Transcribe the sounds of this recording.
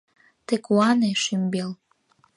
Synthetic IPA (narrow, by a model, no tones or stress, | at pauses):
t̪ekuɑneʃymbel